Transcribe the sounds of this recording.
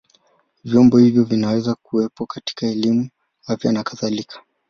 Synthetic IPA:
vjɔmbɔhivjɔvinawɛzakuwɛpɔkati̥kaɛlimu | afjanakaθalikʰḁ

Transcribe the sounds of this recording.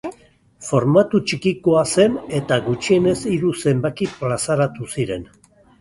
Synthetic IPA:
fo̞ɾmat̪ut͡ʃikikoase̞ne̞t̪aɡut͡ʃie̞ne̞siɾuse̞mbakiplasaɾat̪usiɾe̞̰n

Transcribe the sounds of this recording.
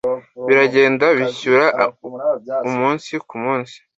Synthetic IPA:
βiɾaɟe̞ːndaβiçuɾa | umuːnsikumuːnsi̥

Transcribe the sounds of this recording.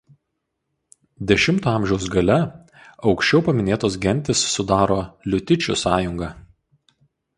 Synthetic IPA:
d̪ʲɛʃʲɪmt̪oːɑˑmʲʒʲɛʊsɡɐlʲɛ | ɒʊkʃʲt͡ʃʲɛʊpɐmʲɪnʲeːt̪oːs̬ɡʲɛnʲt̪ʲɪsːʊd̪ɑːɾoːlʲʊt̪ʲɪt͡ʃʲʊsɑːjʊŋɡɑː

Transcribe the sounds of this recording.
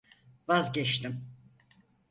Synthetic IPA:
vazɟɛt͡ʃt̪ʰim

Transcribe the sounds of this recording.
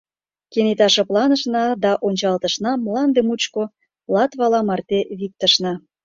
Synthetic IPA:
kenet̪ɑʃə̆plɑnəʃnɑd̪ɑʔonʲt͡ɕɑlt̪əʃnɑmlɑnd̪emut͡ɕko | lɑt̪βɑlɑmɑrt̪eβik̚t̪əʃnɑ

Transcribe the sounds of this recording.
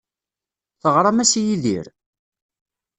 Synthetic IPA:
θəʁɾˤɑmæsijiðḭɾ

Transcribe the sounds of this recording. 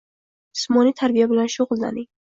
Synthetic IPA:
smɒnit̪ʰaɾbijabɪlanʃʊʁʊlˠd̪a̰ni

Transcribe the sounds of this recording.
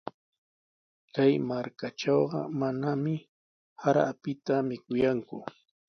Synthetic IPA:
kajmaɾkaʈ͡ʂɑwɢɑ̰manamɪ | haɾaapɪt̪amɪkʊjaŋkʊ

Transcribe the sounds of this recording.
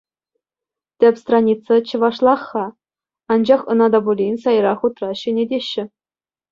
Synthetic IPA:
tʲɘpʲst̪rɑnʲit̪t͡sːɑt͡ɕɤ̆ʋɑʂlˠɑχːɑ | ɑnd͡ʑɑχɤ̰̆nɑd̪ɑbulʲinʲsɑjɾɑχut̪rɑɕĕnʲedʲeɕːɘ̆

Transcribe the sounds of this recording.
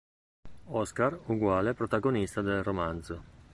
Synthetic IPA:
ɔskaɾuɡwaːlepɾot̪aɡonist̪ad̪elromand̪zo

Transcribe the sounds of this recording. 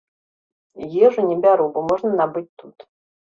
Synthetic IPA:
jɛʐɨnʲɛbʲaɾubɔmɔʐnɐnabɨt͡s̚ʲt̪ut̪

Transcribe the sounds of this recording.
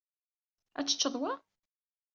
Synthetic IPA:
æ̰t͡sːə̥t͡ʃːəðˤwɑ

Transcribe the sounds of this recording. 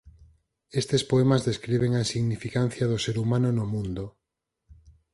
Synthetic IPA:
est̪espoemazðeskɾiβ̞eŋainsiɣnifikan̟θjɐðʊseɾumanʊnʊmũnd̪ʊ

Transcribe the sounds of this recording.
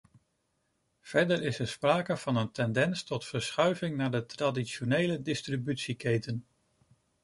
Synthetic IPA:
v̥ɛɹdəɹɪsɛɹspraːkəv̥ɑnəntɛndɛnstɔtfəɹsχœɥvɪŋnaːɹdətradiʃonejlədɪstribytsikejtən

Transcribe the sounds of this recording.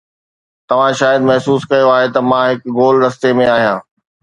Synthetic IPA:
t̪ɐʋ̤ãʃaːjəd̪mɐɦsuːskɐjoaːɦet̪ɐmãɦɪkɡoːld̪ɐst̪emẽaːɦijãː

